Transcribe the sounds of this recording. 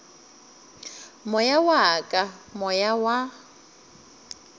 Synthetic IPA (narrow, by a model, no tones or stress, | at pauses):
mʊjawaːkʼamɔjawa